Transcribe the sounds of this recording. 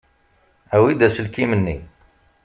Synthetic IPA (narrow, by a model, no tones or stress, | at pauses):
æwid̪æsəlkimənːḭ